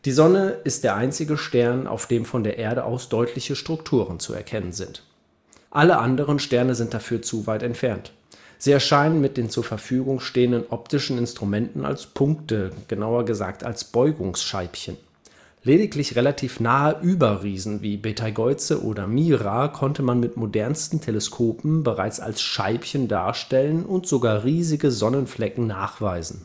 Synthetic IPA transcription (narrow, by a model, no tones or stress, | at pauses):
d̥iːzɔnəʔɪst̚d̥eːɐʔaɪnt͡sɪɡəʃtɛɐnʔa̰ʊfd̥eːmfɔndeːɐʔeːɐɾəʔa̰ʊsd̥ɔʏtʰlɪçəʃtʁ̥ʊktʰuːʁənt͡sṵɛ̰ɐkʰɛnənzɪnt | ʔaləʔandəʁ̞ənʃtɛɐnəzɪnt̚d̥afyːɐt͡suvaɪtɛntfɛɐnt | z̥iːɛɐʃaɪnənmɪt̚d̥eːnt͡suːɐfɛɐfyːɡʊŋʃteːəndənʔɔp̚tʰɪʃn̩ɪnstʁ̥umɛntn̩a̰lspʰʊŋk̚təɡ̥ənaʊɐɡəza̰ːk̚ta̰lsb̥ɔʏɡʊŋsʃaɪpçən | leːdɪklɪçʁelatʰiːfnaːəʔyːbɐʁiːzn̩viːbetʰaɡɔʏt͡səʔo̰ːdɐmiːʁakʰɔntəmanmɪtmodɛɐnstn̩tʰeləskʰoːpm̩bəʁaɪt͡sa̰lsʃaɪpçənda̰ːɐʃtɛlənʔʊntz̥oɡaːʁiːzɪɡəzɔnənflɛkŋ̩naːχv̥aɪzn̩